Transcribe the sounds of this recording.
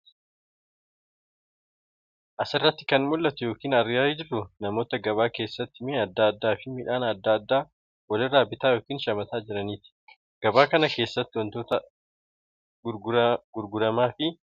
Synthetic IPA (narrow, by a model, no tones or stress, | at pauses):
ʔɐsɪrːɐt̪ːɪ̥kɐnmʊlːɐt̪ʊjo̞ːkiːnɐrɪjaːɪd͡ʒɪrːʊnɐmo̞ːt̪ɐɡɐβaːke̞ːsːɐt̪ːɪmeːɐd̪ːaɐd̪ːaːfɪmɪᶑaːnɐd̪ːaːd̪ːaː | wɐlɪraːbɪt̪aːjo̞ːkiːnʃɐmɐt̪aːd͡ʒɪɾɐniːt̪ɪ̥ | ɡ̥ɐbaːkɐnɐke̞ːsːɐt̪ːɪwɔnt̪oːt̪ɐ | ɡʊɾɡʊɾɐmaːfɪ